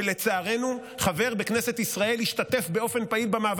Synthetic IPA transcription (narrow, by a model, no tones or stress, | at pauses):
le̞t͡saːʁe̞nu | χave̞ʁbe̞knese̞t̪isʁae̞lhiʃt̪at̪e̞fbe̞o̞fe̞npailbamaːv